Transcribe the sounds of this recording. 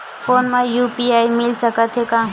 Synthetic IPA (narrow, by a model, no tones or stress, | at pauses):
fʰoːnmãjuːpiaːimɪlsəkət̪ʰɦekãː